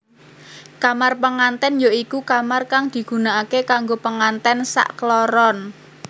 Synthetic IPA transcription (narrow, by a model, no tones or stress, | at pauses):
kamarpəŋant̪ɛnjoikukamarkaŋd̪̥i̤ɡ̥ṳnaakekaŋɡopəŋant̪ɛnsa̰ʔkəlɔɾɔn